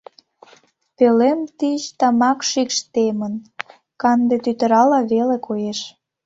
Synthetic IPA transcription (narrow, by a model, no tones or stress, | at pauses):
pelemt̪it͡ɕt̪ɑmɑkʃikʃt̪emən | kɑnd̪et̪yt̪ə̆ɾɑlɑβelekʰojeʃ